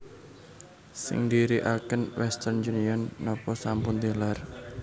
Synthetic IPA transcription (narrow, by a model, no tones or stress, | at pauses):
sɪ̰ŋd̪iɾiʔakənwʔɛst̪ərnd͡ʒuniɔnːɔpɔsampʊnd̪elar